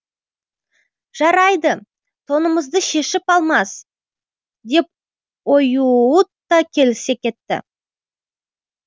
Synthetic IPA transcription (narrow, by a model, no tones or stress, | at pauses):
ʒ̥ɑɾɑjd̪ə | t̪ʰo̞nəməzd̪əʃe̞ʃɪpɑlˠmɑs | d̪e̞p̚ | o̞juut̪ːɑkʲʰe̞lɪse̞kʲʰe̞t̪ːɪ̰